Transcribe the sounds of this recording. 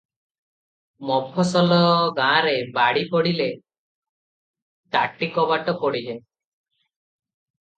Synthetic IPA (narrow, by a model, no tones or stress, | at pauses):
mɔpʰɔsɔlɔɡãːɾebaɽipɔɽile | ʈaʈikɔbaʈɔpɔɽiɦe